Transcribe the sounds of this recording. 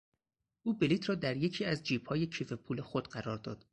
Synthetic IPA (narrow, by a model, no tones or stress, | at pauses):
ʔuːbeliːt̪ʰɾɒːd̪æɾje̞cʰiːæzd͡ʒiːb̥hɒːjecʰiːfe̞pʰuːle̞xod̪ɢæɾɒːɾd̪ɒːd̪̥